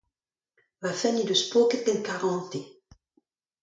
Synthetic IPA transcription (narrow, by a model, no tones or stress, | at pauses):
vafɛnid̪əspokɛt̪̚ɡɛnkaʁɑ̃ːt̪e